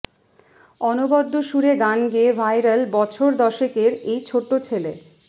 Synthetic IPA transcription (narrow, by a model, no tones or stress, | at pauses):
ɔnobɔd̪ʱːoʃuɾeɡanɡeevʱajɾalbɔt͡ɕʰoɾd̪ɔʃekeɾejt͡ɕʰoʈːot͡ɕʰele